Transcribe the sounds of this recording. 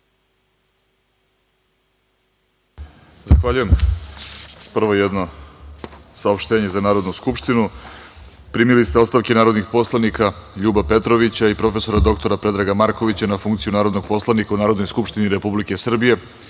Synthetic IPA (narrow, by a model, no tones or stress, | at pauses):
zaxʋaʎuje̞m | pr̩ʋo̞jed̪no̞ | saopʃt̪eːɲe̞zanaːɾo̞d̪nuskupʃt̪inu | pɾiːmilist̪eost̪aʋke̞naːɾo̞d̪nixpo̞slˠanikʰaʎuːbape̞t̪ɾo̞ʋit͡ɕaipɾo̞fe̞so̞ɾad̪o̞k̚t̪o̞ɾapɾe̞d̪ɾaɡamaɾko̞ʋit͡ɕanafuŋkt̪sijunaːɾod̪noɡ̚po̞slˠanikaunaːɾo̞d̪nojskupʃt̪iniɾe̞publike̞sr̩bije̞